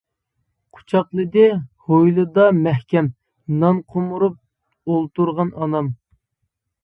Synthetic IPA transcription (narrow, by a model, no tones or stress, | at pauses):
qʰʊ̥t͡ʃʰɑqlˠɨd̪ɪhojlˠɨd̪ɑmæhkʲɛm | nɑnqʰomuɾup̚ | olˠt̪uɾʁɑnɑnɑm